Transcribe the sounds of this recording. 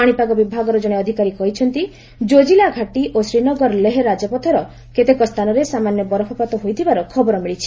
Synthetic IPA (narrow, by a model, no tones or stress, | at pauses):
aɽ̃ipaɡɔbibʱaɡɔɾɔd͡ʒɔɽ̃eɔd̪ʱikaɾikɔɦit͡ʃʰɔnt̪i | d͡ʒod͡ʒilaɡʱaʈiʔosɾinɔɡɔɾleɦeɾad͡ʒɔpɔt̪ʰɔɾɔ | ket̪ekɔst̪ʰanɔɾesamanjɔbɔɾɔpʰɔpat̪ɔɦojt̪ʰibaɾɔkʰɔbɔɾɔmiɭit͡ʃʰi̥